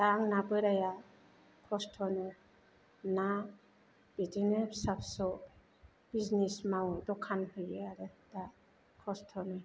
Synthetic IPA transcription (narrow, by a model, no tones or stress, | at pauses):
daŋnabɯɾaja | pʰɔstʰɔnɯ | na | b̥idinɯbsapsɔ | biznismawdɔkʰanhɯjɯaɾɯd̥a | pʰɔstʰɔnɯ